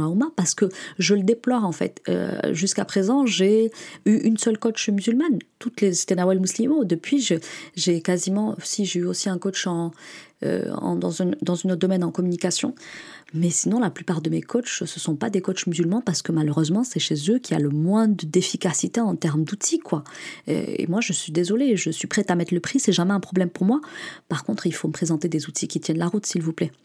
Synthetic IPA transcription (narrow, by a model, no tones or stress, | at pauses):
aumapaʁsə̥kəʒələd̪eplɔʁɑ̃fɛ̰t̪ø̰ʒyskapχezɑ̃ʒeyʔynsœlkɔt͡ʃmyzylmant̪ut̪lese̥t̪ɛnawɛlmuslimod̪əpɥiʒeʒekazimɑ̃siʒeyosiɛ̃kɔt͡ʃɑ̃ø̰ɑ̰̃d̪ɑ̃zynd̪ɑ̃zynot̪d̪ɔmɛnɑ̃kɔmynikasjɔ̰̃mɛsinɔ̃laplypaʁd̪əmekʰɔt͡ʃsəsɔ̃pad̪ekɔt͡ʃmyzylmɑ̃paʁsə̥kəmaløʁøzmɑ̃sɛʃezøkʲʰialəmwɛ̃d̪əd̪efikasit̪eɑ̃t̪ɛʁmd̪ut̪ʰikwaḛḛmwaʒəsɥid̪ezɔleʒəsɥipχɛt̪amɛt̪ləpχisɛʒamɛɛ̃pχɔblɛmpuʁmwapaʁkɔ̃t̪χilfoməpχezɑ̃t̪ed̪ezut̪ʰikʲit̪jɛnlaʁut̪silvuplɛ